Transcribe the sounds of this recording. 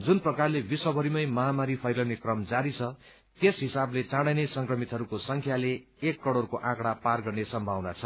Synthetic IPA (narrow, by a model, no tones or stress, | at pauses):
d͡zunprʌkarlebiswʌbʱʌɾimʌjmʌɦamaɾipʰʌjlʌwnekrʌmd͡zaɾit͡sʰʌ | t̪esɦisablet͡sãɽʌjnesʌŋkrʌmit̪ɦʌɾukosʌŋkʰjaleː | kːʌɽorkoʔãkɽaparɡʌrnesʌmbʱawnat͡sʰʌ